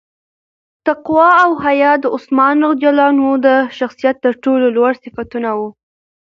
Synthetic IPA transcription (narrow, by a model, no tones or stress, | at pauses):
t̪aqwɑawɦajɑd̪əʊsmɑnɾaɣd̪jɑlɑnod̪əʃaxsijat̪ːəɾʈololwaɽsɪfat̪unawu